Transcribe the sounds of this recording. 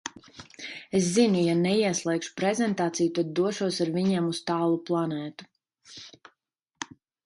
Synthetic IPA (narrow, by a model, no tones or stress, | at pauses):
es̬zinijanɛiɛslˠɛjkʃu̥pɾɛzɛnt̪aːt̪sijut̪ad̪̚ːuɔʃuɔsaɾviɲɛmust̪aːlˠuplˠanɛːt̪u̥